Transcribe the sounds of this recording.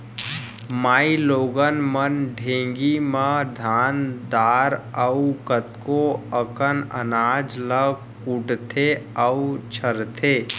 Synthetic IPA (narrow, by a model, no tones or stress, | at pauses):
maːiloːɡənmənɖʱẽːŋɡimə̃d̪ʱaːnd̪aːɾəukət̪koəkənə̰naːd͡ʒlə | kuʈt̪ʰeəut͡ʃʰəɾt̪ʰeː